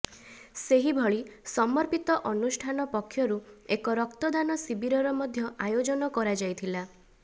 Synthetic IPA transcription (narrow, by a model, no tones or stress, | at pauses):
seɦibʱɔɭisɔmɔɾpit̪ɔʔɔnusʈʰanɔpɔkʰːjɔɾuekɔɾɔkt̪ɔd̪anɔsibiɾɔɾɔmɔd̪ʱjɔʔajod͡ʒɔnɔkɔɾad͡ʒajt̪ʰila